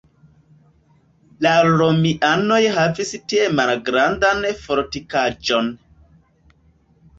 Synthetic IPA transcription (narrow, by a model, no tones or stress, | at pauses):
laɾomiʔano̞jɦavistiemalɡɾandanfoɾtikad͡ʒon